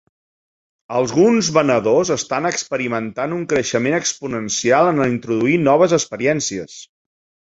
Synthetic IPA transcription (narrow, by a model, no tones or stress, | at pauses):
əlˠɣunzβənəðozəst̪anəkspəɾimənt̪anuŋkɾəʃəmenəkspunənsialˠənəint̪ɾuðuinɔβ̞əzəkspəɾiɛnsiə̰s